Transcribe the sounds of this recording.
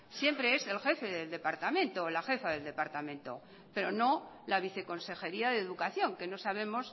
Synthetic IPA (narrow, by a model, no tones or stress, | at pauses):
sje̞mpɾe̞ese̞lxe̞fe̞ðe̞ld̪e̞paɾt̪amẽ̞nt̪o̞laxe̞faðe̞ld̪e̞paɾt̪amẽnt̪o̞̰ | pe̞ɾo̞no̞laβ̞iθe̞ko̞nse̞xe̞ɾiaðeðukaθjo̞ŋke̞no̞saβ̞e̞mo̞s